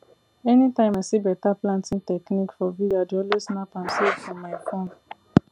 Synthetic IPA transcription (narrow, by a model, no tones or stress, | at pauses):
ɛnitãɪ̃maɪsibɛtaplãntĩntɛknikfɔvidadɔlosnapãmsɛfɔ̃maɪkɔ̃n